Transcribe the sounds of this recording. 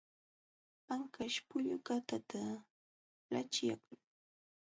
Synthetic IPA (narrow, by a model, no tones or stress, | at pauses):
aŋkaʃpʊʎʊkat̪at̪a | lat͡ʃja̰k